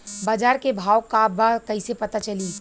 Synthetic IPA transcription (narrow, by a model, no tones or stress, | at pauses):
baːd͡ʒaːɾkebʱaːwkabakɐisepɐt̪at͡ʃɐliː